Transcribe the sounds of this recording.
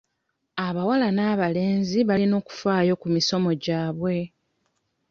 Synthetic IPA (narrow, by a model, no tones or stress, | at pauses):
aβawalanaːβale̞ːnziβalino̞ːku̥faːjo̞kumiso̞mo̞ɟaːβwe̞